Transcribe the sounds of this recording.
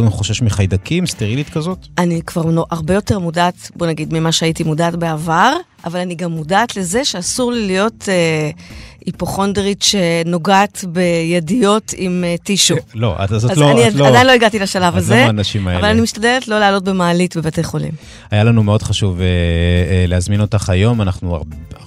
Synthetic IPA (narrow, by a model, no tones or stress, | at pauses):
χoʃeʃmiχajdakʰimst̪eʁilit̪kazo̞tʔanikv̥aʁnoʔaʁbe̞jo̞te̞ʁmudaːtbo̞naɡid̪mimaʃeaitimudaːtbeavaʁ | ʔavalaniɡamːudaːtle̞ze̞ʃeasuʁlilijo̞te | ipoχo̞ndʁitʃe̞no̞ɡaːt̪be̞jedijo̞timtiʃulo̰ʔa̰tazoaanniadajinloiɡatilaʃalavazenaʃimaeavalanimiʃtade̞letlo̞leaːlo̞t̚be̞maːlitbe̞batejχo̞lḭm | ajalanumeo̞dχaʃuve | leazminotaχajo̞manaχnua̰ʁb